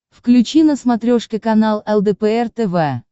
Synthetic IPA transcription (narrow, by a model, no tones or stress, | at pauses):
fklʲʉt͡ɕinəsmɐt̪ɾʲoʂkʲɪkɐnalˠɛlˠd̪ɛpɛɛrt̪ɛvɛ